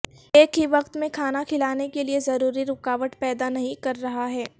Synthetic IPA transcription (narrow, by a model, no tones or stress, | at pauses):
eːkɦiʋɐqt̪mẽkʰaːnakʰɪlaːnekeliezɐɾuːɾiɾʊkaːʋəʈ̪pɛːd̪anɐɦĩkɐɾːɐɦaɦɛː